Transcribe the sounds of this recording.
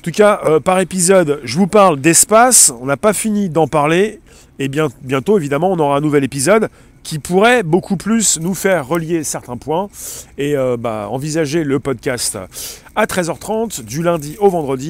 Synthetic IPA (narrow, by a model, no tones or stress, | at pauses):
ɑ̃t̪ukʲaʔøpaʁepizɔd̪ʒəvupaʁld̪ɛspasɔ̃napafinid̪ɑ̃paʁle | ebjɛ̃bjɛ̃t̪oevid̪amɑ̃ɔ̃nɔʁaɛ̃nuvɛlepizɔd̪ | kʲipuʁɛbokʰuplysnufɛʁːəljesɛʁt̪ɛ̃pwɛ̃eøba̰ɑ̰̃vizaʒeləpɔd̪̚kʲast̪ | at̪χɛzœʁt̪χɑ̃t̪d̪ylɛ̃d̪iovɑ̃d̪ʁəd̪i